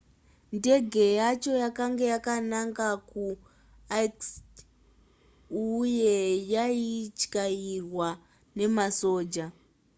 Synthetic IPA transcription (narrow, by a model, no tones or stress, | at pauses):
nde̞ɡʱe̞jat͡ʃo̞jakaŋɡe̞jakanaŋkaku | aks | uje̞jait͡ʃkairwa | ne̞maso̞ːd͡ʒa